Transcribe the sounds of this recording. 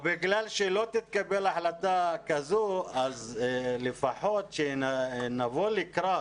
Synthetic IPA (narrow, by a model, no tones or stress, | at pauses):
biɡlalʃelot̪it̪̚kabelaħlat̪akazoazlefaħot̪ʃenavolikɾa